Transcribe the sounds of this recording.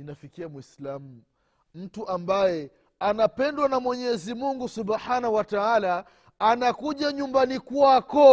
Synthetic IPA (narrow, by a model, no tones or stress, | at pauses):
inafikiamwislamu | m̩tuʔambajɛ | anapɛndwanamwɛɲɛzimuŋɡusubħanawataalaː | nakuʄaɲumbanikuakɔ